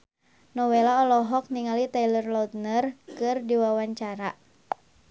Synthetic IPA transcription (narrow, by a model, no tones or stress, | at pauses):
nɔwelaɔlɔɦɔk̚niŋalit̪ailərlɔt̪̚nərkɨrdiwawaɲt͡ʃaɾa